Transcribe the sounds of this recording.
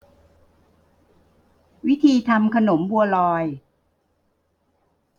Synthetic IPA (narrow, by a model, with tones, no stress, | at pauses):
wi˦˥t̪ʰiː˧t̪ʰa˧mkʰa˧no˩˦mbu˧ɐlɔː˧j